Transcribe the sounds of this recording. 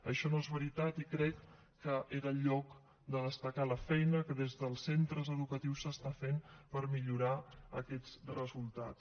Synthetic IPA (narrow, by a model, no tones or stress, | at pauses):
əʃɔnoezβəɾit̪at̪ikɾɛkː | əʔeɾəʎɔk | d̪əðəst̪əkaləfɛjnəkəðezðəlˠsent̪ɾəzəðukət̪iwsəst̪afenpəɾmiʎuɾaəkɛt͡srəzulˠt̪a̰tt͡s